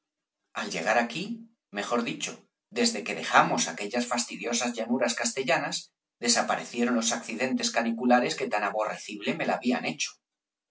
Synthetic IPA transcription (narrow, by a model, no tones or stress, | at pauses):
alʎe̞̰ɣ̞aɾaki | me̞xo̞ɾðit͡ʃo̞ | ðe̞zðe̞ke̞ðe̞xamo̞sake̞ʎasfast̪iðjo̞sazʎanuɾaskast̪e̞ʎanaz | ðe̞sapaɾe̞θje̞ɾo̞nlo̞sakθiðe̞nt̪e̞skanikulaɾe̞ske̞t̪anaβo̞re̞θiβ̞leme̞laːβia̰ne̞t͡ʃo̥